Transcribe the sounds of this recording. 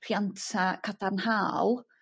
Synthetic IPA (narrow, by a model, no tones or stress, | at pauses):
r̥jantʰakʰatarnhaːl